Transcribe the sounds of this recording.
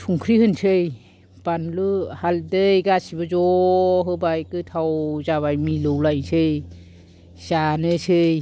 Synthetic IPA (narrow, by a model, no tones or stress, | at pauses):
tʰuŋkʰɾihɯnsʰɯj | panlɯhaldɯjɡasibazɔɦɯbajkɯtʰawzaβajmilɯwlajnsʰɯj | sanɯsʰɯj